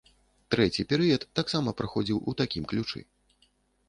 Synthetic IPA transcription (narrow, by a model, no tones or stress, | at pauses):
t̪ɾɛt͡sʲipʲɛɾɨjɐt̪ːaksamɐpɾɨxɔd͡zʲiwʔut̪akʲimklʲut͡ʂɨ̰